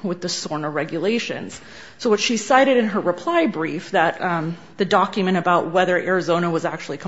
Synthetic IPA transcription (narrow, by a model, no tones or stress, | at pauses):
wɨðɨsɔɹnə˞ɹɛɡjɨleɪʃɨ̰̃nz̥ | soʊwʌtʃisaɪɾɨɾɨ̃nə˞ɹɨpʰl̥aɪbɹifðɨt̪̚ | ðɨdɑkjmɨ̃ɾ̃ɨbaʊʔ̚wɛðə˞ʔɛɹɨzõʊ̃ñəwʌzæk̚t͡ʃʉl̩ˠikʰ